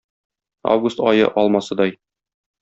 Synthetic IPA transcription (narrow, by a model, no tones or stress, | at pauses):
a̰vɡust̪ɒjɤ̰ʔɒlˠmɑsɤd̪ɒj